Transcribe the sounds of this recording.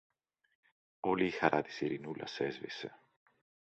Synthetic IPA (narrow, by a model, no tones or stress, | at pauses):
o̞liːxɐɾʔɐt̪i̥siɾinulʔɐ̰se̞zvḭse̞̰